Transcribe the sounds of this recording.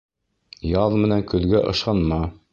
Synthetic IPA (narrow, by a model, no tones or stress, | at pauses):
jɑðmɘ̆næŋkɵ̆ðɡæʔɤ̆ʃɑnmɑ